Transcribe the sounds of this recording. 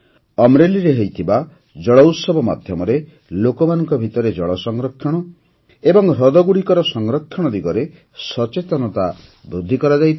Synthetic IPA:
ɔmɾeliɾeɦejt̪ʰiba | d͡ʒɔɭɔwsɔbɔma̰d̪ʱjɔmɔɾe | lokɔmanɔŋkɔbʱit̪ɔɾed͡ʒɔɭɔsɔŋɾɔkʰːjɔɽ̃ɔ | ebɔŋɾɔd̪ɔɡuɽikɔɾɔsɔŋɾɔkʰːjɔɽ̃ɔd̪iɡɔɾe | sɔt͡ʃet̪ɔnɔt̪a | bɾud̪ʱːikɔɾad͡ʒajt̪ʰ

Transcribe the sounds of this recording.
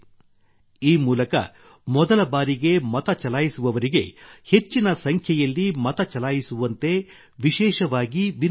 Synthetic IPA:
iːmuːlɐkɐ̰ | mɔd̪ɐlɐbaːɾiɡe̞mɐt̪ɐt͡ʃɐlaːjisuʋɐʋɐɾiɡe̞he̞t͡ʃːinɐsɐŋkʰjɐjɐlːimɐt̪ɐt͡ʃɐlaːjisuʋɐnt̪e̞ | ʋiʃɛːʃɐʋaːɡiʋin

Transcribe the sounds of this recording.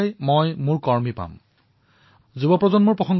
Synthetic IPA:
jmojmuɹkɔɹmipa̰m | zubɔpɹɔzɔnmuɹpɹɔxɔŋɡ

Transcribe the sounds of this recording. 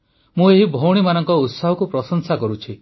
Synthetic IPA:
mũeɦibʱowɽ̃imanɔŋkɔut̪saɦɔkupɾɔsɔnsakɔɾut͡ʃʰi

